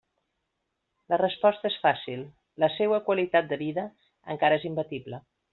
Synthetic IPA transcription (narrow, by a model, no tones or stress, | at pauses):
lərəspɔst̪əesfasilˠ | ləsewəkwəlit̪at̪̚d̪əβiðə | əŋkaɾəezimbət̪iblə